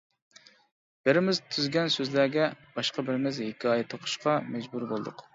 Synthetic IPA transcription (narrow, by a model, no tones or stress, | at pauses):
b̥ɪɾɪmɪzt̪ʰyzɡʲɛnsøzlæɡʲɛb̥ɑʃqɑbɪɾɪmɪzhekʲʰɑjɛt̪ʰoqʰʊ̥ʃqʰɑmɛd͡ʒbuɾbolˠd̪ʊ̰q